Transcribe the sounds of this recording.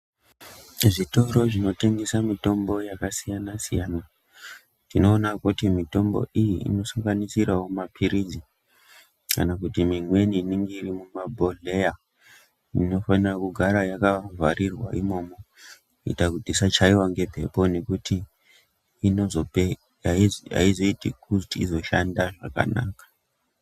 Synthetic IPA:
ʐito̞ɾo̞ʐino̞te̞ŋɡesamito̞mbo̞jakasijanasḭjaːna | tino̞ːnakutimito̞mbo̞̰ʔijiḭno̞saŋɡanisiɾawomapʰiɾid͡zi | kanakutimimwe̞niniŋɡeirimumabʱoɮe̞ja | ino̞fanirakuɡʱaɾajakavʱaɾirwa̰imo̞mo | ḭtakutisat͡ʃaiwaŋɡe̞pʰe̞̰po̞ne̞kutʰiː | nozope | aa̰izo̞itikʰutiizo̞ʃandaʐaka̰na̰ːkḁ

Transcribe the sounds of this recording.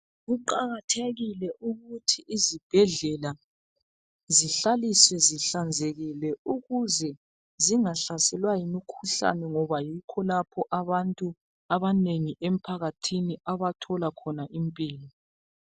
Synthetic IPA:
ɣuǃaɣatʰeɣilɛʔuɣutʰiʔːzib̥ʱɛɮɛla | ziɬaliswɛziɬand͡zʱeɣilɛuɣuzɛ | ziŋaɬasɛlwajimikʰuɬa̰nɛŋɔβajikʰɔlapʰɔʔaβantʼu | aβaneŋiʔem̩pʰaɣatʰiniaβatʰɔlakʰɔnaʔimpʼiːlɔ

